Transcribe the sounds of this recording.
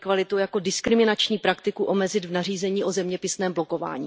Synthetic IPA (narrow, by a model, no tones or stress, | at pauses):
kvalɪt̪owjako̞dɪskɾɪmɪnat͡ʃɲiːpɾakt̪ɪkuʔo̞mɛzɪd̪vnar̝iːzɛɲiːʔozɛmɲɛpɪsnɛːmbloko̞va̰ːɲḭː